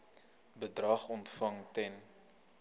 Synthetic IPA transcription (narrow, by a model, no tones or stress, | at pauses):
bədrɐχɔntfɐŋtɛn